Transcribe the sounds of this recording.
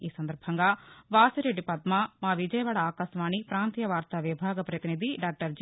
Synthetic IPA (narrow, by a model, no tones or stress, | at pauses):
iːsɐnd̪ɐɾbʱɐŋɡɐʋaːsiɾeɖipɐd̪mamaːʋid͡ʒɐjɐʋaːɽɐaːkɐsʋaːɳipɾaːnt̪ijɐʋaːɾt̪ɐʋibʱaːɡɐpɾɐt̪inid̪ʱiɖaːk̚ʈɐɾd͡ʒ